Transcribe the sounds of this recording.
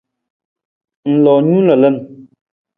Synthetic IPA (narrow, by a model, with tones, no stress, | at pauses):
n̩˨lɔ˨ɲu˦lə˨lə˦n